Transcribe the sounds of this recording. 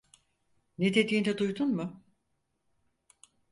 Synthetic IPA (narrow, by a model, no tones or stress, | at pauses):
ned̪e̞d̪iːnɛd̪ujd̪unmʊ